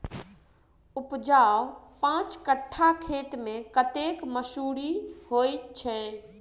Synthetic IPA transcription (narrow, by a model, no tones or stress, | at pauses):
upd͡ʒapãt͡ʃkəʈʰːakʰet̪mẽkət̪ekməsuɽiɦojt̪t͡ʃʰɛ